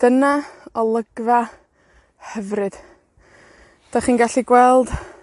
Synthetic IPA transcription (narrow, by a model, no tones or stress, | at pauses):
d̥ənaɔlˠəɡva | hɛvrɨd̥ | d̥aχiːnɡaɬiɡwɛlˠd̥